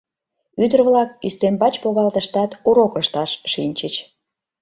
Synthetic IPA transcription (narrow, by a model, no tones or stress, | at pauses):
yd̪ərβlɑkyst̪embɑt͡ɕpoɣɑlt̪əʃt̪ɑt̪uɾokəʃt̪ɑʃʃinʲt͡ɕət͡ɕ